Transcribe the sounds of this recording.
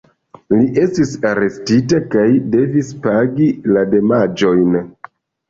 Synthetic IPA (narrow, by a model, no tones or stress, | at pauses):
liʔe̞stisaɾe̞stitakajde̞vispaɡilade̞mad͡ʒo̞jn